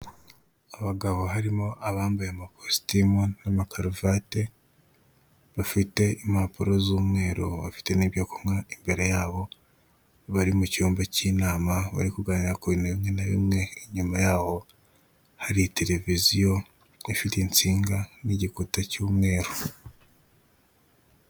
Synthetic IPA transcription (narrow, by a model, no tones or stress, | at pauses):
aβaɡaβo̞ɦaɾimo̞ʔaβaːmbajamakosi̥timonamakaɾuvate̞ | βafite̞imhapuɾo̞zuːmŋe̞ːɾo̰βa̰fi̥te̞niβjokomŋaimbe̞ɾe̞jaːβo̞ | βaɾimucuːmbacinaːmaβa̰ɾikuɡaːniɾakoinaβimŋe̞naβḭmŋe̞ːɲumajaːβo̞ | haɾite̞ɾe̞vizijo̞ | ifitint͡siːŋɡaniɟikutacuːmŋe̞ːɾo